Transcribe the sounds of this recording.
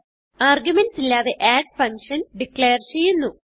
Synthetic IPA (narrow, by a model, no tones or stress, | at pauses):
aːrɡjumenɖsilːaːðeʔaːɖ̚fɐŋkʂɐnɖikɭeːɐrt͡ɕe̞jːunːu